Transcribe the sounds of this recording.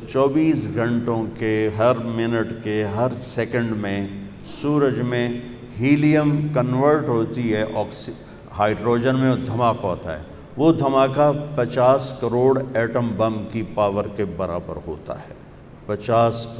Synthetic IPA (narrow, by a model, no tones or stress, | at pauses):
t͡ʃɔːbiːsɡʱɐ̃ɳʈõkeɦɐɾmɪnɪʈkeɦɐɾsɛkə̃ɳɖmẽ | suːɾəd͡ʒmẽ | ɦiːlijəmkɐnʋəɾʈɦoːt̪iɦɛʔɔːks | haːɪɖɾoːd͡ʒənmẽd̪ʱɐmaːkɦɔːt̪a̰ɦɛ̰ː | ʋod̪ʱɐmaːkapɐt͡ʃaːskɐɾoːɽɛːʈəmbɐmkipaːʋəɾkebɐɾa̰ːbə̰ɾɦo̰ːt̪a̰ɦɛː | pɐt͡ʃaːs